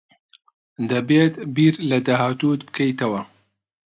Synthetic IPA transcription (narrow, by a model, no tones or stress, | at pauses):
d̪ɐbeːt̪biːɾlɐd̪aːɦaːt̪uːt̪bɨ̥kʰɐjt̪ɐwɐ